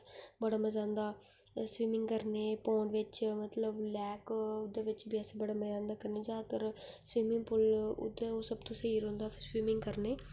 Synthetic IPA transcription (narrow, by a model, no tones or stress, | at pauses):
bəɽaːməzãːnd̪aː | swiːmɪŋɡkəɾneːpoːɳʋɪt͡ʃmət̪ləblɛːkʊd̪ːeːʋɪt͡ʃbiːəseːbəɽaːməzãːnd̪aːkəɾneːd͡ʒaːt̪əɾswiːmɪ̃ŋɡpʰʊlʊ̰d̪eːoːsəbt̪õːsəɦiːɾɦõːnd̪aːswiːmɪ̃ŋɡkəɾneː